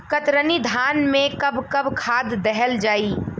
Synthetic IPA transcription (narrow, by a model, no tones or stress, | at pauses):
kət̪ɾənid̪ʱaːnmẽkɐbʱkɐbʱkʰaːd̪ːɛɦɛld͡ʒaːi